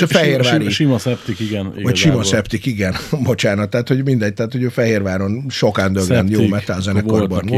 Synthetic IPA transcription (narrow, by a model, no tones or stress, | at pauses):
fɛɦeːrvaːɾiʃimɔsɛpt̪ikiɡɛnvɒcʃimɒsɛpt̪ikiɡɛnbo̞t͡ʃaːnɒt̪ːaːt̪ho̞ɟmind̪ɛɟ̚t̪aːt̪ho̞ɟøːfɛɦeːrʋaːɾo̞nʃo̞kaːnd̪øɡɛnjoːmɛt̪aːzɛnɛkorbɒn